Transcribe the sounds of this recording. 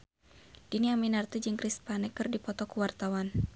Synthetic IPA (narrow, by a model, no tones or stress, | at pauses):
d̥iniaminart̪id͡ʒɨŋkɾispanɛkːɨrdipɔt̪ɔkuwart̪awan